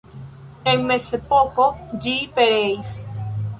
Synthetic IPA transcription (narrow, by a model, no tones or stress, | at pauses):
eŋmeθepokod͡ʒipeɾejs